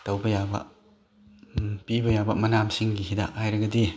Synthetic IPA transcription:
tɐwbɐjabɐ̰ | pibɐjabɐmɐnamsiŋɡiɦida̰khajɾɐɡɐdi

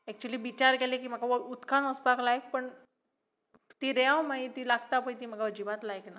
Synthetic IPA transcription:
ɛk̚t͡ɕuliːʋit͡ɕaɾkɛlekiːm̤əɡaʋəut̪kanəspaklajk̚pəɳ | t̪iɾɛãwmait̪iːlaɡt̪apəjt̪iːm̤əɡaəd͡ʑiʋat̪lajkna

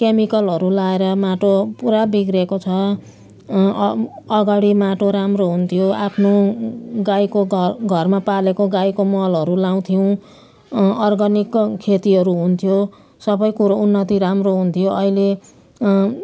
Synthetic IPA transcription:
kemikʌlɦʌɾulaeɾʌmaʈopuɾabiɡrekot͡sʰʌ | ʌɡaɽimaʈoɾamroɦunt̪ʰijoapʰnoɡajkoɡʱʌrmapalekoɡajkomʌlʌɾulaw̃t̪ʰijw̃ | ʌrɡʌnikʰːet̪iɦʌɾuɦunt̪ʰijo | sʌbʌjkuɾounːʌt̪iɾamroɦunt̪ʰijoʔʌile

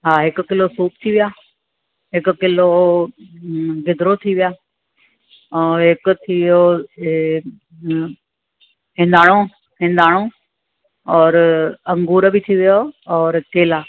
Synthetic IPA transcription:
ɦaːɦɪkʊ̆kɪlosuːpt̪ʰiʋijaː | ɦɪkʊkɪlo | ɡɪd̪ɾot̪ʰiʋijaː | ɔːɾɦɪkʊ̆t̪ʰiʋɪjo | ɦɪ̃ːn̆d̪aːɽ̃o | ɦɪ̃n̆d̪aːɽ̃o | ɔːɾɐ̃ŋɡuːɾbɪt̪ʰiʋijoɔːɾkeːlaː

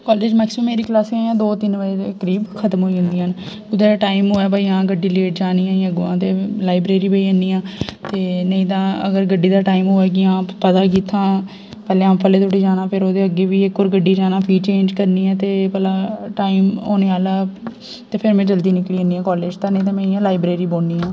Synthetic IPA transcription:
kɔːleːd͡ʒmɛːksəmeːɾiːklaːsãːãːd̪oːt̪ɪnʋəkəɾiːbkʰət̪mɦoːiːɦʊ̃nd̪iːən | ɡʊd̪ɛːʈaːɪmɦoːɛːbaːiːãːɡəɖiːleːʈ̚d͡ʒaːniːãːəɡoãːt̪eːlaːɪbɾeːɾiːbəiːənːiːãːt̪eːnəĩːt̪ãːəɡəɾɡəɖːiːd̪aːʈaːimɦoːɛːk̬ɪãːpət̪aːk̬iːt̪ʰːãː | pɛːlẽːaːpʰəleːt̪ʰoʈiːd͡ʒaːnãːpʰɪɾoːd̪eːəɡeːʋiːɪkːoːɾɡəɖiːd͡ʒaːnãːpʰiːt͡ʃẽːnd͡ʒkəɾniːɛ̃ːt̪eːpəlaːʈaːimoːneːaːlaː | t̪eːpʰɪɾmɛ̃ːd͡ʒəld̪iːnɪkɽiːəniːãːkɔːleːd͡ʒt̪aːnəĩːt̪̬ãːmɛ̃ːɪjãːlaːɪbɾeːɾiːboːniːãː

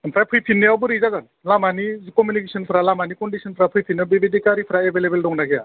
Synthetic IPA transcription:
mpʰɾajpʰɯjpʰinːiawbɯɾizazan | lamanizkɔmjunikesʰɔnpʰɯɾalamanikɔndisʰɔnpʰɾapʰɯjpʰinːiabebedikaɾipʰɾaebʱelebeldɔŋnaɡeja̰

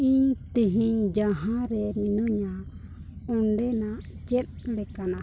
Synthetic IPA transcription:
iɲt̪iɦiɲd͡ʒaɦãɾɛminɔɲa | ɔɳɖɛnat͡ʃɛt̪̚lɛkana

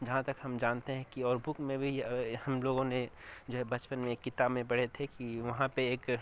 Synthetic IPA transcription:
d͡ʒɐɦãt̪ɐkɦɐmd͡ʒaːnt̪eɦɛ̃kiɔːɾbʊkmẽbʱihɐmloːɡõned͡ʒoːɦɛbɐt͡ʃpənmẽeːkːɪt̪aːbmẽbɐɽ̤et̪ʰekiʋɐɦãpeeːk

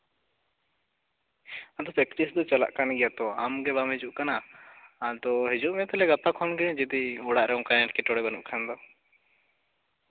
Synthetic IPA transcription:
ad̪ɔpɛkʈisd̪ɔt͡ʃala̰ʔkanɡijat̪ɔamɡɛbamid͡ʒuʔkana | d̪ɔɦid͡ʒuʔmɛt̪ɛlɛɡapakʰɔnɡiɽ̃d͡ʒid̪iɔɽaʔɾɛɔ̃kanɛʈkɛʈɔɽɛbanṵʔkʰand̪ɔ

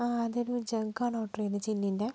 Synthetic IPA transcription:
aːɐðoɾud͡ʑɐŋɡaːɳoːʈriɐnɨt͡ɕinːinde

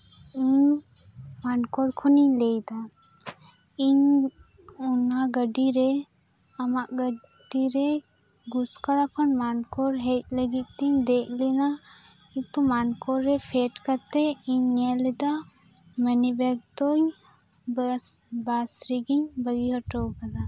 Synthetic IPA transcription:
iɲ | mankɔɾkʰɔniɲlɛjd̪a | iɲ | ɔnaɡəɖiɾɛ | amaʔɡə | diɾɛ | ɡuskaɾapʰɔnmankɔɾɦɛt̪̚ləɡit̪̚t̪iɲd̪ek̚ʰlina | it̪umankɔɾːɛpʰɛʈkaɾt̪ɛiɲːɛlɛd̪a | mənibɛɡ̚t̪ɔɲ | basɾiɡiɲbəɡiɦɔʈɔwbad̪a

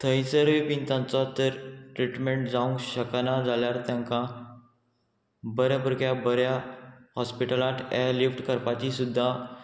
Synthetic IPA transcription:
t̪ʰəjt͡səɾʋipint̪ãnt͡sɔt̪əɾʈɾiʈmeɳʈd͡zaũŋkɕəknad͡zaljaɾt̪jãŋka | bəɾjabəɾkjabəɾjahɔspiʈəlaʈ̪ʰɛlifʈkəɾpat͡ɕisud̪ʱːa

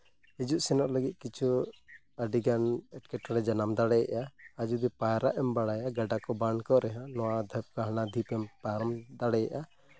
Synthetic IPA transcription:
ɦid͡ʒuʔsɛnɔʔləɡit̪̚kit͡ʃʰu | aɖiɡanɛʈ̚kɛʈɔɽɛd͡ʒanamd̪aɽɛjaʔaad͡ʒud̪ɛpajɾaʔɛmbaɽajaɡaɖakɔbankɔʔɾɛɦãnɔwad̪ʱap̚kaɦanad̪ʱipɛmpaɾɔmd̪aɽɛja̰ʔa

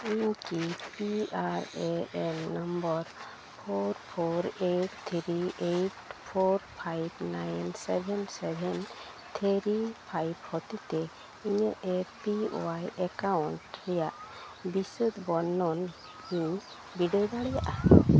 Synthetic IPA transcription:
iɲkipiaɾeɛnːambɔɾ | pʰoɾpʰoɾeʈt̪ʰɾieʈpʰoɾpʰajbnajnsɛbʱɛnsɛbʱɛn | t̪ʰəɾipʰajbhɔt̪it̪ɛ | iɲəʔɛpio̰wajɛkawuɳʈɾɛjaʔ | bisəd̪bɔnːɔn | hiɲ | biɖəɡaɽɛja̰ʔa

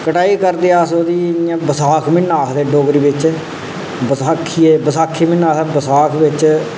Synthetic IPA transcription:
kəʈaːiːkəɾd̪eːaːsoːd̪iːnijãːbəsaːkʰmɪnːaːkd̪eːɖoːɡɾiːbɪt͡ʃ | bəsaːkʰːiːeːbəsaːkʰːiːmɪnːãːsbəsaːkʰʋɪt͡ʃ

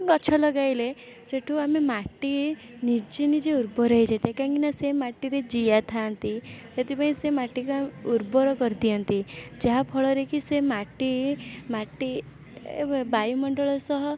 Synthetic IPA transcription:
kɔt͡ʃʰɔlɔɡajle | seʈʰuamemaʈi | niɾd͡ʒinid͡ʒeuɾbɔɾəɦid͡ʒat̪akãŋkinasemaʈiɾed͡ʒijat̪ʰant̪it̪et̪ipaĩsemaʈikuauɾbɔɾɔkɔɾd̪ijɔnt̪id͡ʒaɦapʰɔɭɔɾekisemaʈimaʈi | bajumɔɳɖɔɭɔsɔɦɔ

